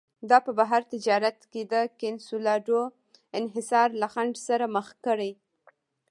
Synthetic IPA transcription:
d̪ɑpəbaɦaɾt̪ɪd͡ʒɑɾat̪ked̪əkɪnsulɑɖo | ɪnɦɪsɑɾlaxaɳɖsaɾaməxkəɽaj

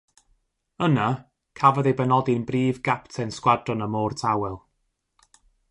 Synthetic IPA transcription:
əna | kʰavɔðejbɛnɔdɪnbriːvɡaptʰɛnskwadrɔnəmɔːrtʰawɛlˠ

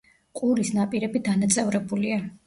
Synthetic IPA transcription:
qʼulisnapʼiɾɛbid̪anat̪sʼɛvɾɛbulia

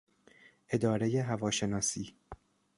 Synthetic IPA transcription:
ʔe̞d̪ɒːɾe̞jeɦævɒːʃe̞nɒːsiː

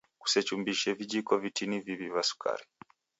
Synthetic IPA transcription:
ku̥sɛt͡ʃumbiʃɛvid͡ʒikɔvitinivivivasu̥kʰa̰ɾi

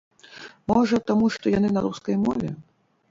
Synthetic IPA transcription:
mɔʐɐt̪amuʂt̪ɔjanɨnɐɾuskɐjmɔvʲɛ

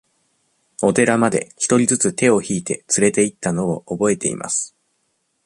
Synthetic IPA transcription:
o̞t̪e̞ɾamad̪e̞̰çi̥t̪o̞ɾʲizɨt͡sɨt̪e̞o̞çiːt̪e̞t͡sɨɾe̞t̪e̞it̪ːano̞oʔobo̞e̞t̪e̞̰ḭmʔa̰sɨ̥

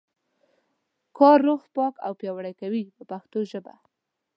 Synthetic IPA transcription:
kɑɾːoxpɑka̰wpjɑwaɽajkawipəpaxt̪oʒəba̰

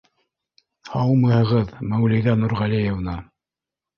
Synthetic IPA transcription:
hɑwmɤ̆hɤ̆ʁɤðmæwlɘ̆jðænuɾʁælijevnɑ

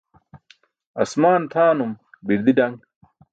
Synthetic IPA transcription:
ɐsmaːnt̪ʰaːnumbiɾd̪iɖɐŋ

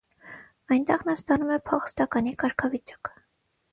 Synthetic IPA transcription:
ɑjnt̪ɛʁnɑst̪ɑnumɛpʰɔχə̥st̪ɑkɑnikɑɾkʰɑvit͡ʃɑ̥k

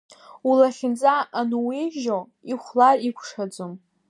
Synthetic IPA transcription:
ulaχʲɪnd͡zʼaʔːnuwiʒo | iχʷlarikʷʰʂad͡zom

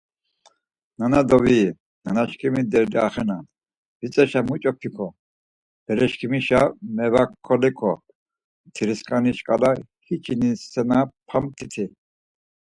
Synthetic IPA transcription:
nanad̪ɔvi | nanaʃkʰimid̪ɛɾd̪iaχɛnan | vit͡sʼɛʃamut͡ʃʼɔpʰikʰɔ | b̥ɛɾɛʃkʰimiʃamɛvakʰːɔlɛkʰɔ | t̪ʰiɾiskʼaniʃkʼala | hit͡ʃʰinisːɛnapʰamt̪ʰit̪ʰi

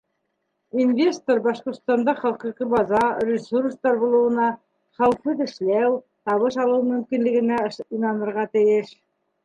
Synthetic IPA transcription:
invʲe̞st̪oɾbɑʃqŏɾt̪st̪ɑnd̪ɑχɑlˠqiqɤbɑzɑrʲɪsurst̪ɑɾbulˠɤ̆wɤ̆nɑ | χæwfɤðɘ̆ʃlæw | t̪ɑβɤʃɑlˠɤwmɵ̆mkinlɘ̆ɡɘ̆næinɑnɤ̆ɾʁɑt̪ɘ̆jɘʃ

